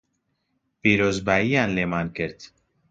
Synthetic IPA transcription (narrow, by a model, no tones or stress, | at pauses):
piːɾoːzbaːijaːnleːmaːnkɨɾt̪